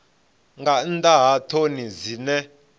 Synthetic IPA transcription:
ŋɡandʼaɦatʰonizinɛ

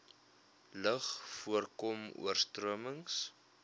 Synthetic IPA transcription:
ləχfuərkɔmṵərstruəməŋs

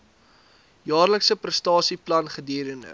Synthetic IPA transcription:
jɑːrləksəprəstɑːsiplɐnχədiːɾənə̰

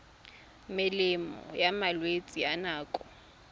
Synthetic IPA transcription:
mɪlɪmɔ̰jamalwet͡sʼianaːkʼɔ

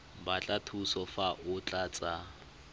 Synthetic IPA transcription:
bat͡ɬʼatʰusɔfaʔʊt͡ɬʼat͡sʼa

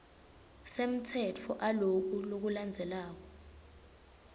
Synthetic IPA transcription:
sem̩tʰɛt͡fʰɔʔalok̬ulok̬uland͡zʱɛlaːk̬ɔ̥

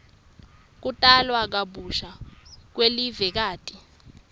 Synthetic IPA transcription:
k̬utʼalwak̬aɓuʃak̬welivɛk̬aːtʼi

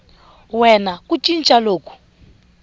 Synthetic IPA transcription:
wɛnakut͡ʃʼint͡ʃʼaloːkʰu̥

